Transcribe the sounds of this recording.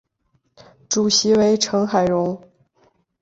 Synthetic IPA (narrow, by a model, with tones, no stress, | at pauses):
ʈ͡ʂu˨˩ɕi˧˥we˧˥ɪʈ͡ʂʰɤ˧˥ŋxa˨˩ɪɻʊ˧˥ŋ